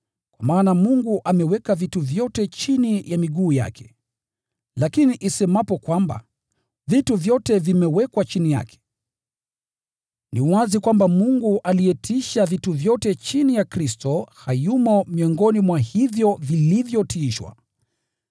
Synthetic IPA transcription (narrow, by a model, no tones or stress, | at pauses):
kwamaːnamuŋɡuʔamɛwɛkavituvjɔtɛt͡ʃinijamiɠuːja̰kʰɛ̥ | lakiniʔisɛmapɔkwamba̰ | vituvjɔtɛvimɛwɛkwat͡ʃinija̰kʰɛ̥ | niwazikwambamuŋɡuʔalijɛtʰiʃavituvjɔtɛt͡ʃinijakɾistɔhajumɔmiɔŋɡɔnimwahivjɔvilivjɔtiːʃwa̰